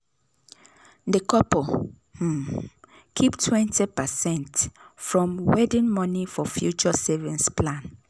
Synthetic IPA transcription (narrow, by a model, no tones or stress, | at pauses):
dəkʰɔpɔ | h̩ | kʰiptʰwɛ̃ntipəsɛ̃ntfɹɔ̃mwɛdĩnmɔnifɔfjut͡ʃɔsɛvĩnspʰlãn